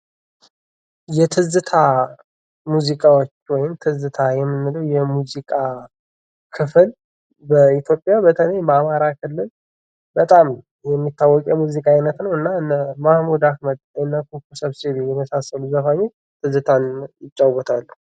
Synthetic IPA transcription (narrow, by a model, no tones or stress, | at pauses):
jɛt̪ʰɨzɨt̪ʰa | muzikʼawot͡ʃːwɔjɪmt̪ʰɨzɨt̪ʰajɛmːɨnːɨləwjɛmuzikʼa | kʰɨfɨl | bəit̪jo̞pʼjabət̪ʰələjbamaɾakʰɨlːɨl | bət̪ʼam | jɛmːit̪ːawːɔkʼɛmuzikʼajnət̪nəwɨnːaɨnːəmahmud̪akməd̪̚ɨnːəkukːusəβseβejɛməsasːəluzəfaɲːo | t̪ʰɨzɨt̪ʰanjɪt͡ʃʼːawwɔt̪ʰalːu